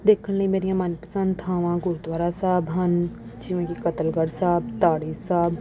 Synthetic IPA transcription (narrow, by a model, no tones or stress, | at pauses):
d̪eːkʰənləĩmeːɾijãmaːnpɾəsə̃nt̪ɦaːʋãːɡʊɾud̪ʋaːɾasaːbɦɐn | d͡ʒiːʋẽkikɐt̪əlɡəɽsaːb̚t̪aːɽisaːb